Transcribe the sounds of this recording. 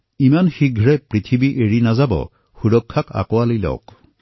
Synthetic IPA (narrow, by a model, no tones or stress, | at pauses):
imanxiɡʱɹɛpɹit̪ʰibiʔeɹinazabɔ̰ | xuɹɔkʰːaka̰kɔwalilɔ̰k